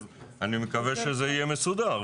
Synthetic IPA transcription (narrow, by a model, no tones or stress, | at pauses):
animekaveʃezeijeme̞sud̪a